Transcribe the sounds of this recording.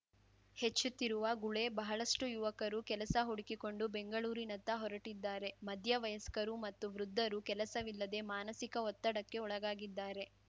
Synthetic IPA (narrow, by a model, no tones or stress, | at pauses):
he̞t͡ʃːut̪ːiɾuʋɐɡuɭe̞bɐɦɐɭɐʂʈujuʋɐkɐɾukɛlɐsɐɦoɽikiko̞ɳɖubeŋɡɐɭuːɾinɐnt̪ɐɦɔɾɐʈid̪ːaːɾe̞mɐd̪ʱjɐʋɐjɐskɐɾumɐt̪ːuʋɾud̪ʱːɐɾukɛlɐsɐʋilːɐd̪e̞maːnɐsikɐɔt̪ːɐɽɐkːe̞ɔɭɐɡaːɡid̪ːaːɾe̞